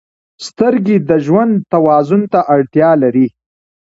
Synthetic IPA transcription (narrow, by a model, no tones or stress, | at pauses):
st̪əɾɡid̪əʒwand̪t̪awɑzʊnt̪aʔaɽt̪jɑlaɾi